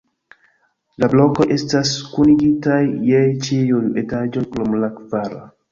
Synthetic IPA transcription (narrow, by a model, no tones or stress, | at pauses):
lablo̞koʔe̞staskuniɡitajːet͡ʃijujetad͡ʒojklomlakvaɾa